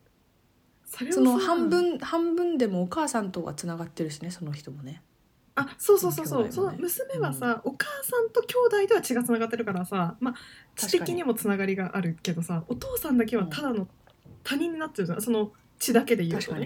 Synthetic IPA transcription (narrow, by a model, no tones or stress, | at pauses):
so̞ɾe̞sonohãmbɯ̟̃nhãmbɯ̟̃nd̪e̞moːkaːsãnt̪oɡa̰t͡sɨnaɡat̪ːe̞ɾɯ̟ɕineso̞noçi̥t̪o̞mone̞ | aso̞ːso̞ːsoːso̞ːsonomɯ̟sɨme̞βasao̞kaːsãnt̪o̞kʲo̞ːd̪aid̪e̞βat͡ɕiɡat͡sɨnaɡat̪ːe̞ɾɯ̟kaɾasamḁt̪e̞kʲiɲ̟imo̞t͡sɨnaɡaɾʲiɡaʔaɾɯ̟ke̞d̪o̞saot̪o̞ːsãnd̪ake̞βat̪ʰad̪ano̞ | t̪aɲ̟ĩɲ̟ːinat̪ːeɾɯso̞no̞ | t͡ɕid̪ake̞d̪e̞jɯ̟ːɲi